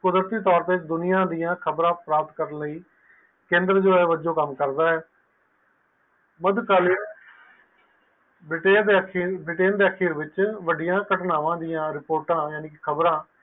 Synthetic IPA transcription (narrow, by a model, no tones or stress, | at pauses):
kʊd̪ɾət̪iːt̪ɔːɾt̪eːɪt͡ʃd̪ʊnɪjãːd̪ijãːkʰəbɾãːpɾaːp̚t̪kəɾənləiː | kẽːnd̪ɾəd͡ʒoːɛːʋəd͡ʒõːkəmkəɾd̪aːɛː | məd̪kaːliː | bɪʈeːd̪eːəkibɪʈeːnd̪eːəkʰiːɾʋɪt͡ʃʋəɖɪjãːkəʈnaːʋãːd̪ɪjãːɾɪpoːɾʈãːjaːniːkɪkʰəbɾãː